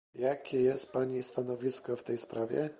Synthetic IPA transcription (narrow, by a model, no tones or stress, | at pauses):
jakʲɛjɛst̪̚paɲist̪anɔvʲiskɔft̪ɛjspɾavʲjɛ̰